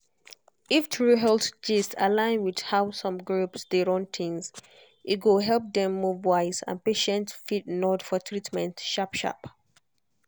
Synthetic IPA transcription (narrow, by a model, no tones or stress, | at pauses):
iftʰɹuɦɛltd͡ʒistalãɪ̃nwid̥haʊsɔ̃mɡɹupsdeɹɔ̃ntʰɪ̃ŋz | ʔit̚ɡoɦɛlˠp̚dɛ̃mːuvwaɪzã̰npeʃɛ̃ntfit̚nɔdfɔtʰɹitmɛ̃ntʃapʃa̰p